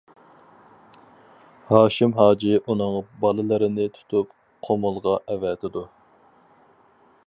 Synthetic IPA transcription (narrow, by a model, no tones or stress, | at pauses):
hɑːʃɪmɦɑːd͡ʒiʔunɨŋbɑlˠɨlˠɨɾɪnɪt̪ʰu̥t̪ʰup̚ | qʰomulˠʁɑʔɛvɛt̪ʰɪd̪u